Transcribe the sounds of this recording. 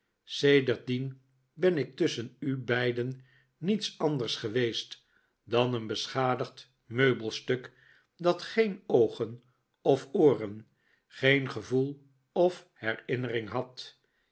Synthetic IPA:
sejdəɹt̚din | bɛnɪk̚tʏsənybɛjdən | nitsɑndərsχəʋejst | dɑnənbəsχaːdəχt | møɥbəlˠstɵk | dɑtχejnowχən | ɔfoːrən | χejnχəvulˠ | ɔf | hɛɹɪnərɪŋɦɑt

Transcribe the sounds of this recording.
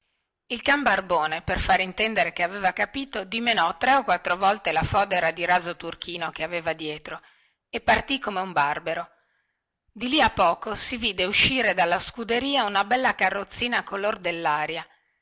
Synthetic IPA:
ilkambarboːneperfaɾint̪ɛnd̪eɾekeaveːvakapiːt̪od̪imenɔt̪ːɾeokːwat̪ːɾovɔlt̪elafɔːd̪eɾad̪iɾaːzot̪urk̟iːnokeaveːvad̪jɛːt̪ɾo | epːart̪ikomeumbarbeɾo | d̪iliapːɔːkosiviːd̪euʃːiːɾed̪alːaskud̪eɾiːaunabɛlːakarːot̪sːiːnakolord̪elːaːɾja

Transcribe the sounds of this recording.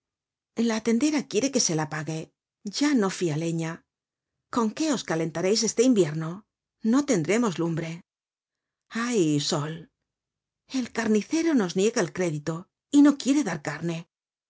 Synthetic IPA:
enlaːt̪e̞nd̪e̞ɾakje̞ɾe̞ke̞se̞lapaɣe̞ | ʝano̞fiale̞ɲa | ko̞ŋke̞o̞skale̞nt̪aɾe̞js̬e̞st̪e̞imbje̞ɾno̞ | no̞t̪e̞nd̪ɾe̞mo̞zlumbɾe̞ | ajso̞l | e̞lkaɾniθe̞ɾo̞no̞znje̞ɣaelkɾe̞ðit̪o̞ | ino̞kje̞ɾe̞ðaɾkaɾne̞

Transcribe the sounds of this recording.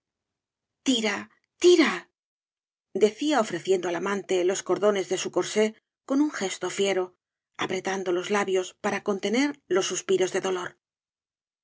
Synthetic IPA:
t̪iɾa | t̪iɾa | d̪e̞θiaofɾe̞θje̞nd̪oalamãnt̪e̞lo̞sko̞ɾðo̞ne̞zðe̞suko̞ɾse̞ | ko̞nuŋxe̞st̪o̞fje̞ɾo̞ | apɾe̞t̪and̪o̞lo̞zlaβjo̞spaɾako̞nt̪e̞ne̞ɾlo̞sːuspiɾo̞zðe̞ðo̞lo̞ɾ

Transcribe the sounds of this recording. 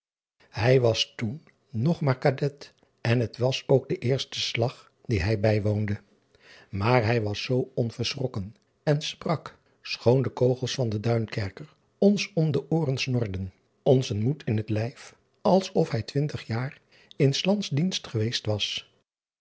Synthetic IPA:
hɛjʋɑstunː | ɔχmaːɹkadɛt | ɛnɦətʋɑsowɡ̚dəʔɪːɹstə̥slɑχ | d̥iɦɛjbɛjʋowndə | maːɹɦɛjʋɑsːowɔnv̥əɹsrɔkən | ɛnsprɑk | sχowndəkowχəlˠsfɑndədœɥnkɛɹkəɹ | ɔnsɔmdəʔʊːrənsnɔɹdən | ɔnzənmutʰɪnɦətlɛjf | ɑlˠsɔfhɛjtʋɪntəχjaːr | ɪnslɑntzdinstχəʋejstʋɑs

